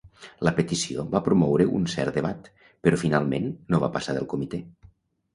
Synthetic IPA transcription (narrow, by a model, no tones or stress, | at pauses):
ləpet̪isioβapɾumɔwɾəʔṵnsɛ̰ɾt̪d̪eβat̪ | pəɾɔfinalˠmḛnːoβa̰pasaðəlˠkomit̪e